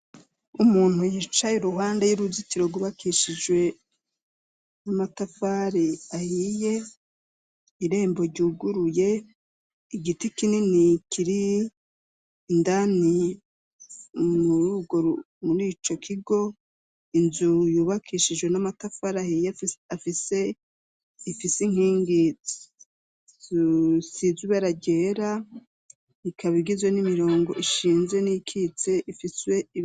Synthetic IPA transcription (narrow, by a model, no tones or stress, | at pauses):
umuːn̥hujit͡ʃajeɾuɦaːndejuɾuzitiɾo̞ɡuβakʰiʃid͡ʒwe̞ | namatafaɾiahije̞ | iɾe̞ːmbo̞ɾɟuːɡuɾuje̞ | iɡitikininikiɾi | ndani | muɾuuɡoɾu | muɾiːt͡ʃo̞kʰiɡo̞ | inzujuːβakʰiʃid͡ʒɡwe̞namatafaɾahijaafise | ifisiŋ̥hiːŋɡi | zusizuβaɾaɟe̞ːɾa | ikʰaβiɡizwenimiɾo̞ːŋɡo̞̰ʔiʃiːnzweniikʰit͡se̞ʔifiswe̞i